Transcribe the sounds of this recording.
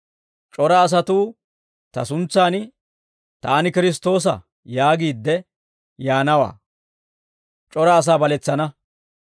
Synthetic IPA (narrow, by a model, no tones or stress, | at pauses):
t͡ʃʼɔɾɐːs̬ɐt̪uː | t̪ɐ̰sʊnt͡sːaːnɪ | t̪aːnɪkɪɾɪs̬t̪o̞ːs̬ɐ̰ | jaːɡiːd̪ːɛ | jaːnɐwa̰ː | t͡ʃʼɔɾɐːs̬aːbɐlɛt͡sːɐnɐ